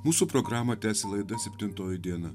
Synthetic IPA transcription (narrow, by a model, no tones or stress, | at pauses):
muːsuːpɾɔɡɾɑːmɐt̪ʲæːsʲɛlˠɐɪd̪ɐsʲɛpʲt̪ʲɪnt̪oːjɪd̪ʲiɛnɐ